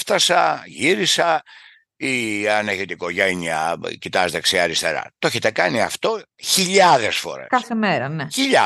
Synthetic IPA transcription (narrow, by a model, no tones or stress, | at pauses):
ft̪ɐsɐʝiɾisɐ | iɐneʝit̪ikoʝɐiɲɐcit̪ɐzet̪eksiɐɾist̪e̞̰ɾɐ̰t̪oeçet̪e̞kɐniɐ̰ft̪o̞ | çiʎɐðesfo̞̰ɾḛkɐθemeɾɐneçiʎɐ